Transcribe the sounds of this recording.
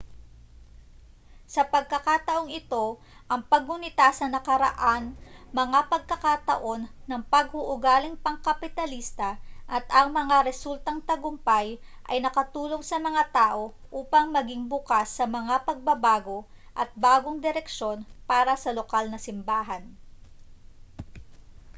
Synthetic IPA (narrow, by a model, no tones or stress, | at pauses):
sɐpɐɡ̚kɐkat̪ɐʔo̞ŋɪt̪o̞ | ʔɐŋpɐɡ̚ʊnɪt̪aːsɐnɐkɐɾɐ̰ʔanmɐŋapɐɡ̚kɐkat̪ɐ̰ʔo̞nːɐŋpɐɡ̚hʊʔʊɡaːlɪŋpɐŋkɐpɪt̪ɐlist̪ɐʔɐt̪ʔɐŋmɐŋaɾɛsult̪ɐŋt̪ɐɡʊmpajʔɐ̰jnɐkɐt̪uːlo̞ŋsɐmɐŋat̪aːʔo̞ | ʔuːpɐŋmɐɡiŋbʊkasːɐmɐŋapɐɡ̚bɐbaːɡo̞ | ʔɐt̪̚baːɡoŋd̪ɛɾɛkʃo̞npaːɾɐsɐlokalnɐsɪmbaːɦɐn